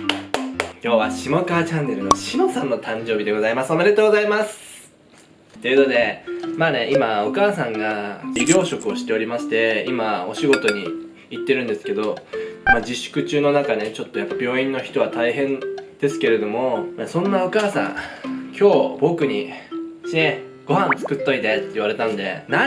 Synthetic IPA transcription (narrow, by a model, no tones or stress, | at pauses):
kʲo̞ːβaɕimo̞kaːt͡ɕãnːe̞ɾɯno̞ɕimo̞sãnːo̞t̪ãɲ̟d͡ʑo̞ːbʲid̪e̞ɡo̞zaimasɨomeɾʲe̞t̪oːɡozaimasɨ̥ | t̪ːo̞iɯ̟nod̪e̞maːneʔimao̞kaːsãŋɡabʲiɾʲo̞ːɕo̞kɯ̟o̞ɕi̥t̪e̞o̞ɾʲimaɕi̥t̪e̞imao̞ɕiɡo̞t̪o̞ɲ̟i | it̪ːe̞ɾɯ̟̃nd̪e̞sɨ̥ke̞d̪o̞mad͡ʑiɕːɨ̥kɯ̟t͡ɕɨːno̞nakane̞t͡ɕo̞t̪ːo̞japːabʲo̞ːĩnːo̞çi̥t̪o̞βat̪aiɦẽ̞nd̪̥e̞sɨ̥ke̞ɾe̞d̪o̞mo̞masõ̞nːao̞kaːsã̰ŋkʲʰo̞ːbo̞kɯ̟ɲ̟iɕeɡ̥o̞hãnt͡sɨ̥kɯ̟t̪ːo̞it̪et̪ːeiβaɾe̞t̪anod̪e̞̰na